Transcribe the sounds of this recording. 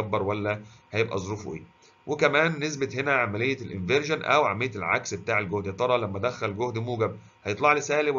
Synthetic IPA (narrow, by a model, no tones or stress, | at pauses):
æbːɑɾˤwælːæhæjebʔæ̰zˤoɾuːfʔḛː | wʔekæmæːnːes̬bɪt̪ɦenæʕamælejːælʔɪnveɾʒonʔæ̰wʕamːejːet̪lʕa̰ksbet̪aːʕelɡohd̪hæt̪ˤɑɾˤɑlæmːæd̪æxælɡohd̪muːɡæb̚ | hæjet̪ˤlɑʕlisæːlew